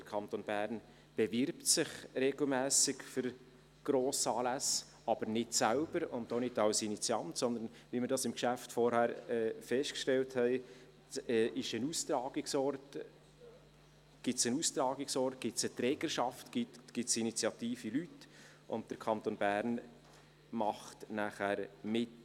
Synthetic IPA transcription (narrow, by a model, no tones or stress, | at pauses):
d̥əɾkʰɑnt̪onb̥æːɾn | b̥ɛvɪɾptsɪχɾeɡ̥lmæːsɪkfʏɾ | ɡ̥ɾoːsɑːlæs | ɑb̥əɾnɪtsælb̥əɾʊndonɪtɑlsinit͡sjɑntsɔnd̪ənʋiməɾdɑsɪmkʃæftfɔɾhæɾɛːfɛsʃtkʃtɛlthɛɪ | ɛːʔɪʃənustɾɑːɡ̥ɪksɔɾt | ɡ̥ɪtsənust̪ɾɑːɡɪksɔɾt̚ɡ̥ɪtsət̪ɾɛːɡ̥əʃɑftɡ̥itɡ̥ɪtsinit͡sjɑt̪iːfilyt | ʔʊ̰nt̚d̥əɾkʰɑnt̪oːnbæːɾn | mɑχtnæχæːɾmɪt